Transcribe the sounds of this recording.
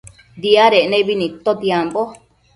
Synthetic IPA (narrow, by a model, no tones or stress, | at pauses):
d̪iaɾeʔnẽβinĩt̪ot̪iambo